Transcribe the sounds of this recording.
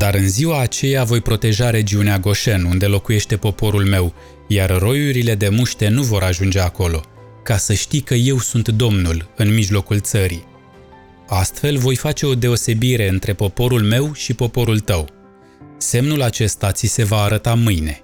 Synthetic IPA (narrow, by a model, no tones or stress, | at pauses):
d̪aɾɨnziwaːt͡ʃe̞javo̞jpɾo̞t̪e̞ʒaɾe̞d͡ʒiuneaɡo̞ʃenund̪e̞lo̞kuje̞ʃt̪e̞po̞po̞ɾulme̞w | jarro̞juɾile̞d̪e̞muʃt̪e̞nuvo̞ɾaʒund͡ʒe̞ako̞lo̞ | kasəʃt̪ikəje̞wsunt̪d̪o̞mnulɨnmiʒlo̞kult̪səɾi | ast̪fe̞lvo̞jfat͡ʃe̞o̞d̪e̞o̞se̞biɾe̞ɨnt̪ɾe̞po̞po̞ɾulme̞wʃipo̞po̞ɾult̪əw | se̞mnulat͡ʃe̞st̪at̪sise̞vaːɾət̪amɨjne̞